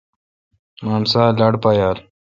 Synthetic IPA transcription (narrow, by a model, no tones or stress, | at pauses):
maːmsaːlaɽpajaːl